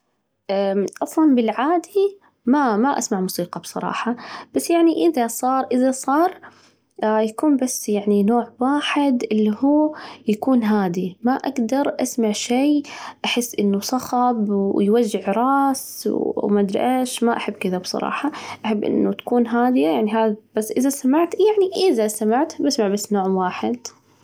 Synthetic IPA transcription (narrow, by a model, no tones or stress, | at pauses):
ʔaʔɑfðɑlbɪlʕaːd̪i | mamaʔasmaʕmʊsiːqɑbsˤɑ̰ɾˤɑ̰ːħɑb̥asːjaʕniʔɪðasˤɑːɾˤʔɪðasˤɑːɾˤ | jakuːnbasːjaʕninoːʕwaːħɪd̪ʔɪlːihuːjakuːnɦaːd̪imaʔaɡd̪ɑɾˤʔasmaʕʃeːʔaħɪsːʔɪnːusˤɑxɑbjwad͡ʒːɪʕɾˤɑːswwmad̪ɾ̰ʔaʃmaʔaħabːkɪðabsˤɑ̰ɾˤɑ̰ːħɑʔaħabːʔɪ̰nːṵt̪ḁkuːnɦaːd̪ɪjajaʕniɦaːb̥asːʔɪðasamaʕt̪jaʕniʔɪðasamaʕt̪basmaʕbasːnoːʕmwaːħɪd̪